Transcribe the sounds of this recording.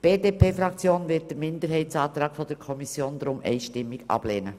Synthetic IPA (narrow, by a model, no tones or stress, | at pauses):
b̥eːdeːpʰeːfɾɑkt͡sjoːnvɪt̚d̥əmɪndəɾɦɛɪtsɑːt̪ɾɑːɡfɔd̥əɾkʰɔmisjoːnd̪ɾʊmʔɛ̰ɪʃtɪmːɪɡɑ̰b̥leːnə